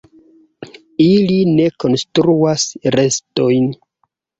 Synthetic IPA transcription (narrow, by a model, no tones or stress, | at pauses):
iline̞ko̞nstɾuasɾe̞sto̞jn